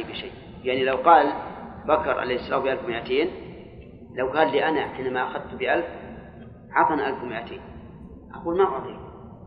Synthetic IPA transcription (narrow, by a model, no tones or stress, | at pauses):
jbiʃaj | jaʕnilɐwqɑːlbɐkʰɨɾˤʕa̰lejhɪsːɐlaːmbiʔalfʊmjat̪ʰeːn | lɐwkaːnliʔanaħinamaʔaxad̪̚t̪ubiʔalb | ʕɑt̪ˤɨnʔalfʊmjat̪ʰeːn | ʔaqulmaɣɑt̪ˤi